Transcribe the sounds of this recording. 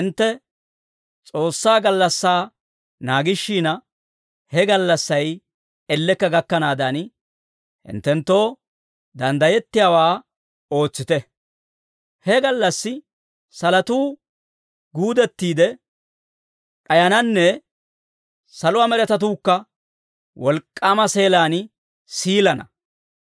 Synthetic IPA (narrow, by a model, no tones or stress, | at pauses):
hɪnt̪ːɛ | t͡sʼo̞ːsːaːɡɐlːɐsːaː | naːɡɪʃːiːnɐ | hɛɡɐlːɐsːɐj | ɛlːɛkːɐɡɐkːɐnaːd̪ɐn | hɪ̰nt̪ːɛnt̪ːo̞ː | d̪ɐnd̪ɐjɛt̪ːɪjawaː | o̞ːt͡sːɪt̪ɛ | hɛɡɐlːɐsːɪ | sɐlɐt̪uː | ɡuːd̪ɛt̪ːiːd̪ɛ | ᶑʼɐjɐnɐnːɛ | sɐlʊwaːmɛɾɛt̪ɐt̪uːkːɐ | wɔlkʼːaːmɐse̞ːlaːn | siːlɐnɐ̰